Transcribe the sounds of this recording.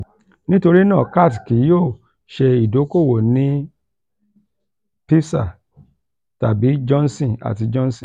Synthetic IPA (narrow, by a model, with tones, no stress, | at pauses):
nĩ˦to˧ɾi˦nãː˦˨ka˦˨tki˨˦joː˦˨ | ʃe˧i˨do˨˦ko˦˨wo˨nĩ˦ | pi˦sa̰˦˨ | ta˨bi˨˦d͡ʒɔ̃˦n˦sĩ˨a̰˨ti˧d͡ʒɔ̃˦n˦sĩ˦˨